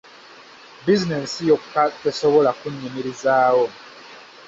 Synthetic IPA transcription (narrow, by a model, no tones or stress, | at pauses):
bizinesijokatesoβolakuɲimiɾizaːwo